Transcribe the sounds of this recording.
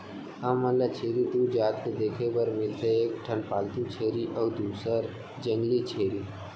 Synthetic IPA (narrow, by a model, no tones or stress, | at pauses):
aməlːat͡ʃʰeːɾit̪ud͡ʒaːt̪ked̪eːkʰepəɾmɪlt̪ʰeeːk̚ʈʰənpaːlt̪ut͡ʃʰeːɾiʔɔːd̪uːsəɾ | d͡ʒəŋɡlit͡ʃʰeːɾi